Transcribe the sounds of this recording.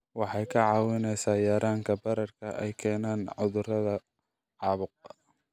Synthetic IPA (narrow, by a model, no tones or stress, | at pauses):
wɑħɑjkʰɐʕɑːwɪnɛjsaːjaːɾaːŋkʰɐbɐɾɐrkʰɐʔɛ̰jkʰɛːnaːnʕʊðʊrɐðɐ | ʕɑːβʊq̚